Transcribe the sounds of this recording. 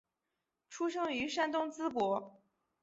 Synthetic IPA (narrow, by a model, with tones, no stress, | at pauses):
ʈ͡ʂʰu˥ʂɤ˥ŋy˧˥ʂa˥nt̪ʊ˥ŋt͡sɹ̩˥pwɔ˧˥